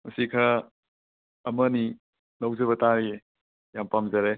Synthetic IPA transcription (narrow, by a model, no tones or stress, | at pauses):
mɐsikʰɐ | mɐni | nɐwzɐbɐtaɾie | jampamzɐɾe